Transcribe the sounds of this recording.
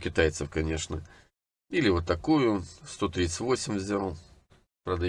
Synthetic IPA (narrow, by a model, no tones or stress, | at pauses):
kʲɪt̪ajɪt̪səfkɐnʲe̞ʂnə | ilʲɪvot̪ːɐkujʊst̪o̞t̪ɾʲit̪sə̥tʲvo̞sʲɪmʲvzʲalˠ | pɾəd̪ɐ